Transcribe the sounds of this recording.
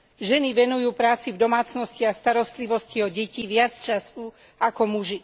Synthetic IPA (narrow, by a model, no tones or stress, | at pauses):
ʒɛniʋɛnujuːpɾaːt͡sivd̪ɔmaːt͡snɔsciast̪aɾɔst̪liʋɔsciɔɟɛciʋɪat͡st͡ʃasu | akɔmuʒi